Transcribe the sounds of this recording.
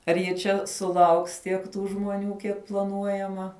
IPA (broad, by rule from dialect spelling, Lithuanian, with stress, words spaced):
ɐr jɪ ˈt͡ʃʲɛ sʊˈlˠɐʊks ˈtʲiɛk ˈtuː ʒmoːˈnʲuː ˈkʲiɛk plˠɐˈnuɔjɛmɐ